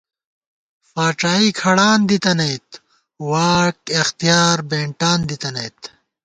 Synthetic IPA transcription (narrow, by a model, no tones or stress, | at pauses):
faːʈ͡ʂaːikʰɐɽaːnd̪it̪ɐnɐjt̪ | waːkext̪ijaːɾbẽːɳʈaːnd̪it̪ɐnɐjt̪